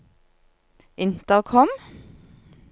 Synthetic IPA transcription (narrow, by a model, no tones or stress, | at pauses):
ʔɪnt̪əʁkʰɔm